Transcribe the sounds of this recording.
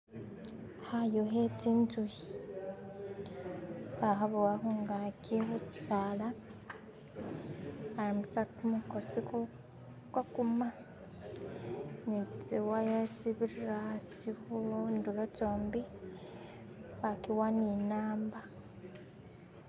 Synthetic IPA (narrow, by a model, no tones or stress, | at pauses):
hajoɦetinzuji | βaɦaβuwaɦuŋɡaciɦot͡si̥sala | haɾimusatumukosiko | kakuma | nit͡siwajat͡siβiɾasiβundulot͡soːmbi | βakiwaninaːmba